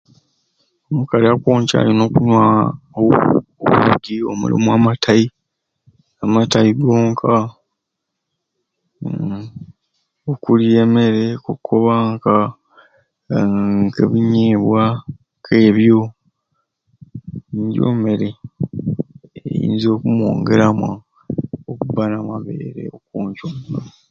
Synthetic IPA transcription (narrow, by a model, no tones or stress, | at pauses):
omukaliakwoːɲca̰ːjono̞ːkunwaːo̰oβudio̞̰mṵlḭmuamatʰaji | amataiɡoːŋkʰa | okulie̞ːme̞ɾe̞kokʰːoβaŋka | ŋkḛβiɲeːβwa | kʰe̞ːβjo | ɲɟo̰ːme̞ɾe | ḛjḭːnzo̞ːkumuo̞̰ːŋɡe̞ɾamwa | okuβanamaβḛːɾe̞̰okoːɲconna